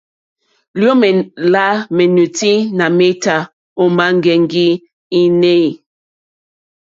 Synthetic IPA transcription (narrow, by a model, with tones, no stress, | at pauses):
ljo˦m˨la˦me˨nu˨ti˦na˨me˦ta˨ | o˦ma˦ŋ˦ɡɛ˨ŋ˦ɡi˦ | i˦ne˦i˨